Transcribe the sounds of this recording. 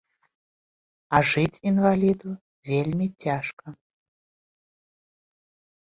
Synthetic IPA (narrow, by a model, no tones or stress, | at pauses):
aʐɨtʲinvalʲid̪u | vʲelʲmʲitʲaʂkɐ